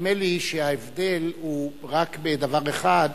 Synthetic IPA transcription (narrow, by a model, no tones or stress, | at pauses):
meliʃehaevd̪e̞lhuʁakbed̪avaʁeχad